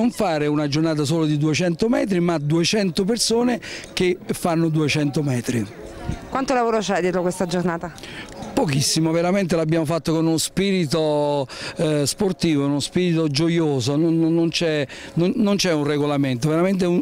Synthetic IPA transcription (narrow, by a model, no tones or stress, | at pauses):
oɱfaːɾeunad͡ʒornaːt̪̬as̬oːlod̪id̪uet͡ʃɛnt̪omɛ̰ːt̪̬ɾimad̪uet͡ʃɛnt̪opersoːnek̟efːanːod̪uet͡ʃɛnt̪omɛːt̪ɾi | kwant̪olavoːɾot͡ʃɛd̪jɛːt̪ɾokwest̪ad͡ʒornaːt̪a | pokisːimoveɾament̪̬elabjaːmofat̪ːokonunospiːɾit̪o | sport̪iːvounospiːɾit̪od͡ʒojoːzononnːont͡ʃɛ | nonont͡ʃɛunreɡolament̪̬oveɾament̪̬eun